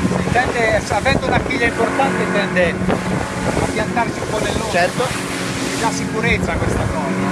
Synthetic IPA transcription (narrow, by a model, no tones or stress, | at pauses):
int̪ɛnd̪esavɛnd̪ounakiːʎːaimport̪ant̪ent̪ɛnd̪end̪o | apːjant̪aɾt͡ʃiumpɔd̪elːot͡ʃɛrt̪o | id̪asikuɾet̪sːakwest̪akɔːza